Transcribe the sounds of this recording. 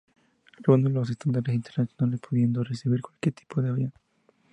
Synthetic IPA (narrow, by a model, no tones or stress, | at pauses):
land̪olos̬est̪and̪aɾes̬int̪eɾnasjonalespuðjend̪oresiβiɾkwalkjeɾt̪ʰi̥pʰoðeaβjon